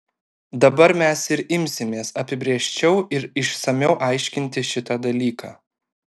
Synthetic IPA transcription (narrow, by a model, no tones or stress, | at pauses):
d̪ɐbɐɾmʲɛsɪɾɪmʲsʲɪmʲeːsɐpʲɪbʲɾʲeɛʃʲt͡ʃʲɛʊɪɾɪʃsɐmʲɛʊʔɑɪʃʲkʲɪnʲt̪ʲɪʃʲɪt̪ɑd̪ɐlʲiːkʰɑː